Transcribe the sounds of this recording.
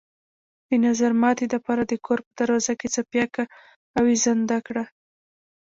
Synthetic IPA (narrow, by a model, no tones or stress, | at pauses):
d̪̥ənazaɾmɑt̪elapɑɾad̪əkʰoɾpəd̪̥aɾwɑzaket͡sapjakaː | wezand̪akɽa